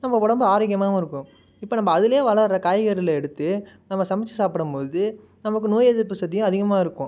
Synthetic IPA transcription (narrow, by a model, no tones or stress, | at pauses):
nɐmːɐʋɔɽɐmbɯaːɾɐkɪjɐmãːɪɾɯkːʊ̃ | ɪpːoːnɐmːɐːðɪlɐjeːʋɐɭɐɾɐkaːjɣɐɾɪlɐɛɽɯt̪ːɯnɐmːɐsɐmɪt͡ʃːɯsaːpɪɽɯmpoːðɯ | nɐmɐkːɯnoːjeðɪɾpːɯsɐt̪ːɪjʊ̃ɐðɪɣɐmaːɪɾɯkːʊ̃